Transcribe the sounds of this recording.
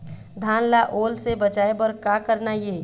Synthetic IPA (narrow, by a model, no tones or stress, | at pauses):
d̪ʱaːnlaʔoːlsebəd͡ʒaːebəɾkakəɾnajeː